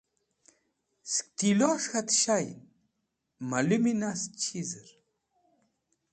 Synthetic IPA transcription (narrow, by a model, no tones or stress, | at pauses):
sk̚t̪ʰilɔʂxat̪ʃajn | maluminast͡ʃʰizɨɾ